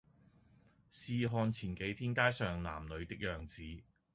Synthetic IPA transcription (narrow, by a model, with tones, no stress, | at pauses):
siː˧ɦɔː˧nt͡sʰiː˨˩nke˨˥jt̪ʰiː˥nkaː˥jsœː˨ŋla̰ː˨˩mlɵ˨˧ɥt̪ɪ˥k̚jœː˨ŋt͡siː˨˧